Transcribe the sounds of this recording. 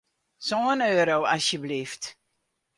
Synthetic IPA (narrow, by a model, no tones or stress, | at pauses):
soənøːɾowasjəblift